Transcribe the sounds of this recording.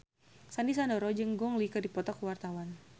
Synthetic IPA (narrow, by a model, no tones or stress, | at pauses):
sandis̬andɔɾɔd͡ʒɨŋɡɔŋlikərdipɔt̪ɔkuwart̪awan